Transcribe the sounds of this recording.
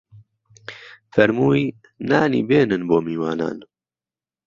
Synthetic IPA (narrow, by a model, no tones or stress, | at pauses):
fɛɾmuːiː | naːnḭːbeːnɨnboːmiːwaːna̰ːn